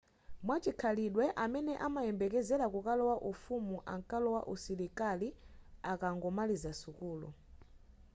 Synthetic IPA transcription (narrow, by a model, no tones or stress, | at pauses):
mwat͡ʃikʰaliɗwɛʔamɛnɛʔamajɛmbɛkɛzɛɾakukalɔwaʔufumuʔaŋkalɔwaʔusiɾikaliakaŋɡɔmalizasukuːlɔ̰